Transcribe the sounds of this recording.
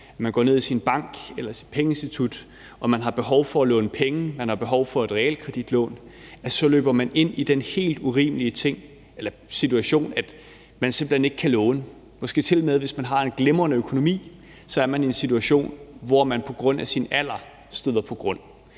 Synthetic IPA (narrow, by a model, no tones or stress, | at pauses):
æmænɡɒ̰ːne̝ð̰ˠisinb̥ɑ̈ŋ̰ɡ̥elɐsi̥d̥pʰeŋəensd̥it͡sʰud̥ | ɒ̽mænɦɑ̈b̥e̝ɦɒʊfɒ̽ælɔ̰̽ːnəpʰeŋəmænhɑ̈b̥e̝ɦɒʊfɒ̽e̝d̥ʁɛɛ̰ːlkʰʁɛd̥id̥lɔ̰̽ːnæsɒ̽lø̰ːb̥ɐmæne̝n̰id̥enhe̝̰ːld̥uʁḭːməliət͡sʰe̝ŋ̰ | elɐ | sit͡sʰuæɕo̝̰ːnæd̥ | mænse̝mb̥l̩hene̝ɡ̥kʰælɔ̽ːnə | mɒ̽sɡ̥e̝̰ːt͡sʰe̝lmeðˠʋe̝smænɦɑ̈e̝nɡ̥lemɐnəøkʰo̝no̝mḭː | sɒ̽æɐmænie̝nsit͡sʰuæɕo̝̰ːnʋɒmænpʰɒ̽ɡ̥ʁɔ̽n̰æsinæl̰ɐ | sd̥øð̰ˠɐpʰɒ̽ɡ̥ʁɔ̽n̰